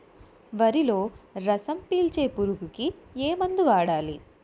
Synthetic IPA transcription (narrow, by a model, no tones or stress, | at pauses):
ʋɐɾilo̞ːɾɐsɐmpiːlt͡ʃe̞ːpuɾuɡukieːmɐnd̪uʋaːɽaːli